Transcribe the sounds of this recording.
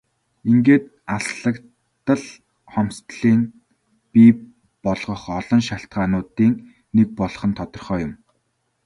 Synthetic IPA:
iŋɡeːt̪ | asɮə̆k | t̪ːə̆ɮ | χɔm̥st̪ɮiːn | pi | pɔɮʁɞ̆χɔɮɞ̆nʃaɬt̪ɢaːnʊːt̪iːŋ | nek̚pɔɮχɞ̆nt̪ʰɔt̪ɞ̆rχœːjʊm

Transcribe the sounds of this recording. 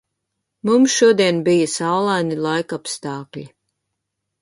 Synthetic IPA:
mumsʃuɔd̪iɛnbijəsawlˠajnilˠajkapst̪ɑːklʲi

